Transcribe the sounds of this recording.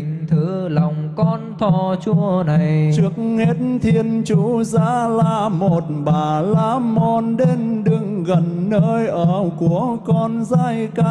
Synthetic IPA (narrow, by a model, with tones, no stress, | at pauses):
i˨˧ŋt̪ʰɨ˨˦lwŋ͡mkɔ˧nt̪ʰɔ˧˩t͡ɕu˧əna˨˩jt͡ɕɨ˦˥ək̚he˦˥t̚nt̪ʰi˧ənt͡ɕu˨˧˦za̰ː˧˥laː˨˩mo˨˩t̚ɓaː˨˩laː˧˥mɔ˧nɗe˧nɗɨ˧˩ŋɣə˨˩nːəː˧jʔəː˧˩ku˧˩˨əkɔ˧nzaː˧˩jka˧